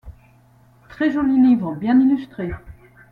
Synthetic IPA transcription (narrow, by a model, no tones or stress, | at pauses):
t̪χɛʒɔlilivʁə̃bjɛ̃nilyst̪χe